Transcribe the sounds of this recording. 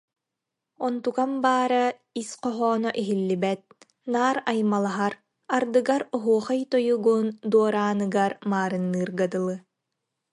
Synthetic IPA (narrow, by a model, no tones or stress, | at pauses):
ɔnt̪ukambaːɾa | isqɔɦɔːnɔʔiɦilːibɛt̪̚ | naːɾajmalˠaɦaɾ | aɾd̪ɯɡaɾɔɦuɔχajt̪ɔjuɡund̪uɔɾaːnɯɡaɾmaːɾɯnːɯːɾɡad̪ɯlˠɯ